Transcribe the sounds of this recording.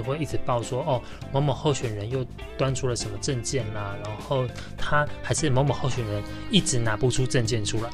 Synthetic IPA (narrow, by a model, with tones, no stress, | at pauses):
xwe˥˧ɪi˥˩t͡sɻ̩˨˩pɑ˥˨ʊswɔ˦ɔ˥˨˩ | mɔ˧˥ŋmɔ˨˩xo˥˩ʊɕɥɛ˨˩nɻə˨˦njo˥˨ʊ | t̪wa˦nʈ͡ʂʰu˥lə˨ʂə˧˥nmə˧ʈ͡ʂə˥˧nt͡ɕjɛ˥˨nla˩na˧˥xo˥˩ʊ | t̪ʰa˦˥xa˧˥ɪʂɻ̩˥˨˩mɔ˧˥ŋmɔ˨˩xo˥˨ʊɕɥɛ˨˩nɻə˨˦n | i˥˩ʈ͡ʂɻ̩˧˩˦na˨˥pu˨˩ʈ͡ʂʰu˦˥ʈ͡ʂə˥˧nt͡ɕjɛ˥˨nʈ͡ʂʰu˦la˨˦ɪ